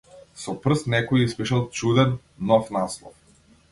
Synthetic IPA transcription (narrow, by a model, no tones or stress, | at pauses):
sɔpr̩st̪nɛkɔjispiʃalˠt͡ʃud̪ɛnː | ɔfnaslˠɔ̰f